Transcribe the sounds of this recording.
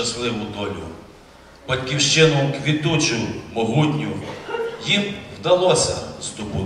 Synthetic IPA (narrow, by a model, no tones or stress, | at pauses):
ɐslˠɪʋʊd̪ɔlʲʊ̰ | bɐtʲkʲiwʃt͡ʃɪnʊkʋʲit̪ut͡ʃʊmɔɦutʲnʲʊjimwd̪ɐlˠɔsʲɐ̰st̪ʊpʊ